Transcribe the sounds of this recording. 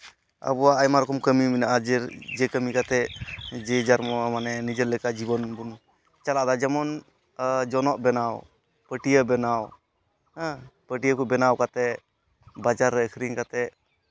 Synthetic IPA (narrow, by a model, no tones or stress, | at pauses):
ə̰bɔwaajmaɾɔkɔmkəmiminaʔad͡ʒɛɾd͡ʒɛkəmikat̪ɛʔd͡ʒɛd͡ʒaɾmɔmanɛnid͡ʒəɾlɛkad͡ʒibɔnbun | t͡ʃalaʔd̪ad͡ʒɛmɔn | d͡ʒɔnɔʔbɛnaw | pəʈijəbɛnaw | pəʈijəkubɛnawkat̪ɛ | bad͡ʒaɾːɛkʰɾiŋkat̪ɛʔ